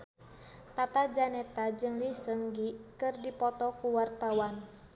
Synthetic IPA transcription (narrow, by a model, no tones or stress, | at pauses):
t̪at̪ad͡ʒanɛt̪ad͡ʒɨŋlisəŋɡikɨrdipɔt̪ɔkuwart̪awan